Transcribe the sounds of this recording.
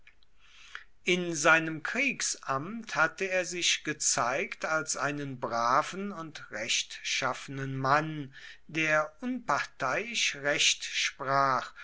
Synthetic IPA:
ʔɪnzaɪnəmkʁ̥iːksʔamthatəeːɐzɪʃɡ̥ət͡saɪktalsʔaɪnənbʁaːvn̩ʊntʁɛʃtʃafənənmandeːɐʔʊnpaʁtaɪɪʃʁɛʃtʃpʁ̥aːχ

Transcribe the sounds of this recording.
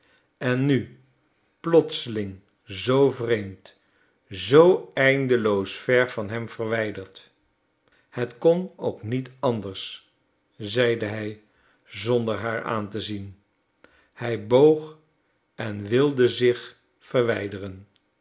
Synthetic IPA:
ɛnːy | plɔtsəlɪŋ | zowvrejmt | zowɛjndəlowsfɛɹvɑnɦɛmvərʋɛjdəɹt | hətkɔno̰wknitɑndəɹs | zɛjdəɦɛj | zɔndəɹɦaːɹa̰ːntəzin | hɛjbowχ | ɛnʋɪlˠdəzɪχ | fəɹʋɛjdərən

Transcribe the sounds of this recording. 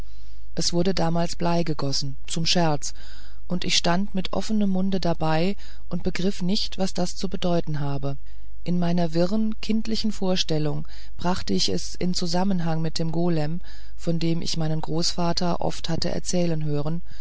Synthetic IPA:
ʔɛsv̥ʊɐdədaːmaːlsb̥laɪɡəɡɔsn̩t͡sʊmʃɛɐt͡s | ʔʊntɪçʃtantmɪtʔɔ̰fənəmːʊndədabaɪ | ʔʊntb̥əɡʁɪfnɪçtv̥asd̥ast͡subədɔʏtn̩ɦaːbə | ʔɪnmaɪnɐvɪʁənkʰɪntlɪçn̩foːɐʃtɛlʊŋ | b̥ʁaχtəɪçɛ̰sʔɪ̰nt͡suzamənɦaŋmɪt̚d̥eːmɡoːlɛm | fɔndeːmʔɪ̰çmaɪnənɡʁoːsfaːtʰɐʔɔ̰fthatə̰ʔɛ̰ɐt͡sɛːlənɦøːʁ̞ən

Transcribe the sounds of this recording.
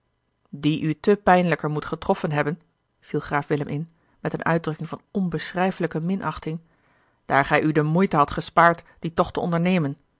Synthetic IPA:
diʔytəpɛjnələkəɹmutχətrɔfənɦɛbən | v̥ilˠχraːfʋɪləmʔɪn | mɛtənʔœ̰ɥdrɵkɪŋvɑnɔnbəsrɛjfələkəmɪnʔɑχtɪŋ | d̥aːɹχɛjʔydəmujtəɦɑtχəspaːɹt | d̥itɔχtəɔndəɹnejmən

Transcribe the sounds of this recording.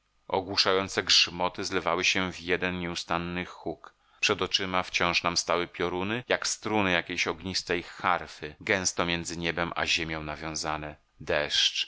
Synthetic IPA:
ɔ̰ɡwuʂajɔnt̪sɛɡʐmɔt̪ɘzlɛvawɘɕɛvjɛd̪ɛnɲɛust̪anːɘxuk | pʂɛd̪ɔt͡ʂɘmaft͡ɕɔ̃w̃ʂnamst̪awɘpʲjɔɾunɘjakst̪ɾunɘjakʲejɕɔɡɲist̪ɛjxaɾfɘɡɛ̃st̪ɔmjɛnd̪zɘɲɛbɛmʔa̰ʑemʲjɔ̃w̃navʲjɔ̃w̃zanɛ | d̪ɛʂt͡ʂ

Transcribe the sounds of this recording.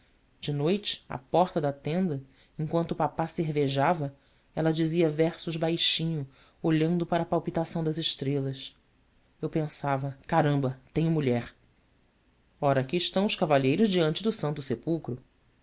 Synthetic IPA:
d͡ʒɪnojt͡ʃɪ̥a̰pɔχt̪ɐd̪ɐt̪ẽnd̪ɐ | ẽŋkwɐ̃nt̪ʊːpapaseɦveʒavɐ | ɛlɐd͡ʒiziɐvɛɾsʊʒbajʃĩɲʊ | oʎɐ̃nd̪ʊpaɾɐpawpit̪asɐ̃w̃d̪ɐzɪʃt̪ɾelɐs | ewpẽsavɐkaɾɐ̃mbɐt̪ẽɲʊmuʎɛɾ | ɔɾɐakiːʃt̪ɐ̃w̃ʊʃkavaʎejɾʊzd͡ʒiɐ̃nt͡ʃɪd̪ʊsɐ̃nt̪ʊsepuwkɾʊ

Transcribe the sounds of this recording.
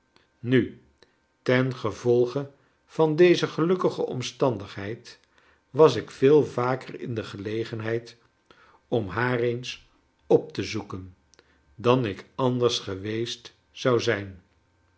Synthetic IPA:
ny | tɛnχəvɔlˠχə | v̥ɑndejzəχəlɵkəχəʔɔ̰mstɑndəχɦɛjt | ʋɑsɪkfɪːlˠvaːkərɪ̰ndəχəlejχənɦɛjt | ɔmɦaːrens | ɔp̚təzukən | dɑnɪkɑndəɹsχəʋejst | sɑwzɛjn

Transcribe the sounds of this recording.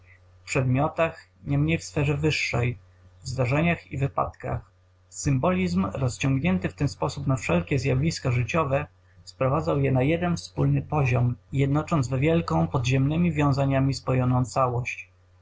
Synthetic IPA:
fpʂɛd̪mʲjɔt̪ax | ɲɛmɲejfsfɛʐɛvɘʂːɛj | vzd̪aʐɛɲaxḭvɘpa̰t̪ka̰x | sɘmbɔlʲizmɾɔst͡ɕɔŋɡɲɛnt̪ɘft̪ɛnspɔsupnafʂɛlkʲɛzjabʲlʲiskaʐɘt͡ɕɔvɛ | spɾɔvad̪zawjɛnajɛd̪ɛnfspulnɘpɔʑɔmjɛd̪̚nɔt͡ʂɔnd̪vvʲjɛlkɔ̃w̃pɔd̪ʑɛmnɘmʲivʲjɔ̃w̃zaɲamʲispɔjɔnɔ̃w̃t̪sawɔɕt͡ɕ

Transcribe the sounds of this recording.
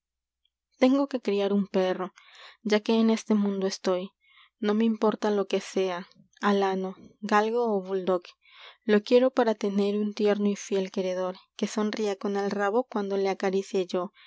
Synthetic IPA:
t̪e̞ŋɡo̞ke̞kɾiaɾumpe̞ro̞d͡ʒake̞ːne̞st̪e̞mũnd̪oest̪o̞j | no̞me̞impo̞ɾt̪alo̞ke̞se̞a | alano̞ɡalɣoːβuld̪o̞k | lo̞kje̞ɾo̞paɾat̪e̞ne̞ɾunt̪je̞ɾno̞ifje̞lke̞ɾe̞ðo̞ɾke̞so̞nriako̞ne̞lraβo̞kwand̪o̞le̞akaɾisje̞ʝo̞

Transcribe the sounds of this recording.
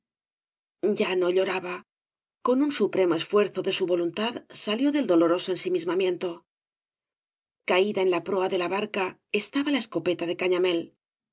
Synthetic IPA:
ɟ͡ʝano̞ʎo̞ɾaβa | ko̞nunsupɾe̞mo̞e̞sfwe̞ɾθo̞ðe̞suβo̞lunt̪aðsaljo̞ðe̞ld̪o̞loɾo̞so̞ensimizmamjẽ̞nt̪o̞ | kaiðae̞nlapɾo̞aðe̞laβaɾkae̞st̪aβalae̞sko̞pe̞t̪aðe̞kaɲame̞l

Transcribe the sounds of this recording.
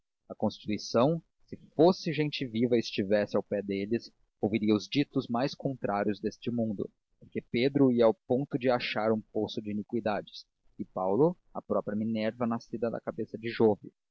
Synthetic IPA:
ɐkõst͡ʃi̥t̪uisɐ̃w̃ | sɪfosɪʒẽnt͡ʃɪvivɐɪst͡ʃivɛsɪawpɛd̪elɪs | owviɾiɐʊzd͡ʒit̪ʊzmajskõnt̪ɾʔaɾjʊzd̪est͡ʃɪmũnd̪ʊ̰ | poɾkeped̪ɾʊiɐawpõnt̪ʊd͡ʒɪaʃaɾũposʊd͡ʒɪinikwid̪ad͡ʒɪs | ɪpawlʊ | ɐpɾɔpɾjɐminɛɾvɐnasid̪ɐd̪ɐ̰kabesɐd͡ʒɪʒovɪ

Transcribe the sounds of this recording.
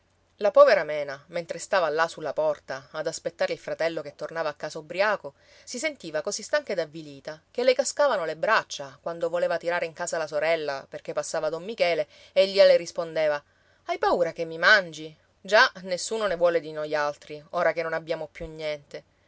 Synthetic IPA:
lapɔːveɾamɛːnament̪ɾest̪aːvalasulːapɔrt̪aːd̪aspet̪ːaːɾeilfɾat̪ɛlːoket̪ːornaːvaːkːaːsabɾiaːko | sis̬ent̪iːvakosist̪aŋked̪avːiliːt̪akelːekaskaːvanolebɾat͡ʃːakwand̪ovoleːvat̪iɾaːɾeiŋkaːsalasoɾɛlːaperk̟epːasːaːvad̪omːikɛːle | eʎːialerispond̪eːva | ajpauːɾakemːimand͡ʒi | d͡ʒanesːuːnonevwɔːled̪inojalt̪ɾioːɾakenːonabːjaːmopjunjɛnt̪e

